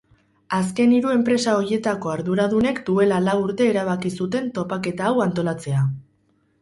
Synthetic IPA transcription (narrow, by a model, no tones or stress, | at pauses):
aske̞niɾue̞mpɾe̞sao̞ɾje̞t̪ako̞aɾðuɾað̞une̞kd̪ue̞lalawuɾt̪e̞ːɾaβ̞akisut̪e̞nt̪o̞pake̞t̪aːwant̪o̞lat͡se̞a